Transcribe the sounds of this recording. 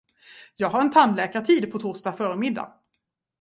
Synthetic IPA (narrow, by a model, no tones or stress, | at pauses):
jɑːɡɦaɾɛnt̪ʰanlɛːkat̪ʰiːd̪pʰɔt̪ʰʊʂtafœːɾmɪd̪ːa̰